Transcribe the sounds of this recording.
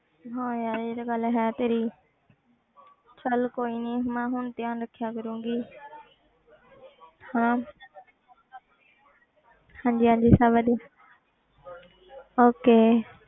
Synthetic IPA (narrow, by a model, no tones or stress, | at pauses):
ɦãːjaːɾeːɾaːɡəlɦɛːt̪eːɾiː | t͡ʃʰəlkoːiːnĩːɦmãːɦʊnt̪ɪjãːnɾəkʰjaːkəɾũːŋɡiː | haãː | hãːɲd͡ʒiːɦãːɲd͡ʒiːsaːʋəɗe | oːkeː